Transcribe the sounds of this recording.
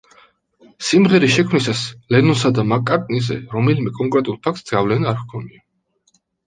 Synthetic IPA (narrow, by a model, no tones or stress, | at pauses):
simʁɛɾiʃɛkʰmnisaslɛnɔnsad̪amakʼːaɾt̪ʼnizɛ̰ɾɔmɛlimɛkʼɔŋkʼɾɛt̪ʼulˠpʰakʰt̪zɡavlɛnaaɾkkʰɔnia